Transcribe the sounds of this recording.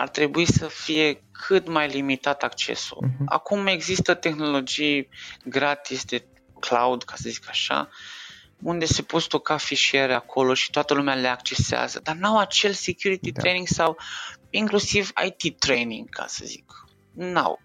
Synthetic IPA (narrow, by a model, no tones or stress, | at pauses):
a̰rt̪ɾe̞buisəfije̞kʰɨt̪majlimit̪at̪akt͡ʃe̞̰sṵla̰kume̞ɡzist̪ət̪e̞xno̞lo̞d͡ʒijɡɾat̪isd̪e̞ | kla̰wd̪kʰasəzikaʃa̰ | und̪e̞se̞po̞t̪st̪o̞kafiʃieɾeakʰo̞lo̞ʃi̥t̪oat̪əlumeale̞ak̚t͡ʃe̞sea̰zəd̪arnawat͡ʃe̞lsekʲjuɾit̪it̪ɾejniŋɡsawiŋklusiva̰jt̪it̪ɾejniŋɡkʰa̰sə̰zik | na̰w